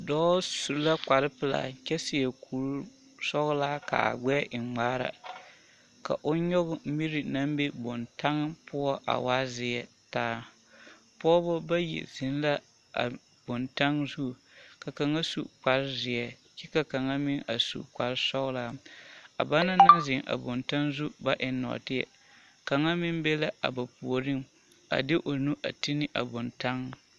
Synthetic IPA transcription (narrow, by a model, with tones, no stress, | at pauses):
dɔː˦su˨ɾla˦k͡pa˨ɾɨ˦pɨ˨la̰˨t͡ʃɛ˦sɪ˦˨jɛ˨kʰu˨ɾ | sɔ˦ɣlaː˦ka̰˨a̰˨ɡ͡bɛ˦ʔɪ˨ŋ͡maː˦ɾa̰˨ | ka̰˨ʔʊ˦ɲɔ˦ɣʊ˨m˦mi˦ɾi˨na˦m˦be˦bo˨nta˦ŋ˦pʊ˦ɔ˦ʔa̰˨wa˦zɪ˨ɛ˨ | taː˦ | pɔ˦bʊ˦ba˦jɛ̰˨zɪ˨˦n˦la˦ | a˨ | b̥o˨nta˦ŋzu˦˨ | ka˨ka˨ŋa˦sṵ˨k͡pa˨ɾzɪ˨ɛ˨ | t͡ʃɛ˦ka˨ka˨ŋa˦mɪ˦ŋʔa˨sṵ˨k͡pa˨ɾsɔ˦ɣlaː˦a̰˨ba˦na˦na˦zɪ˨ŋʔa̰˨bʊ˨nta˦ŋzu˦ba˦ʔɪ˨nːɔ̰˨tɪ˦jɛ̰˨ | ka˨ŋa˦mɪ˦nbe˦la˦ʔa̰˨ba˨pu˨o˨ɾɨ˦m | a̰˨dɪ˦ʔo˨nu˦ʔa̰˨ti˦nɪ˦ʔa˨bʊ˨nta˦ŋ˦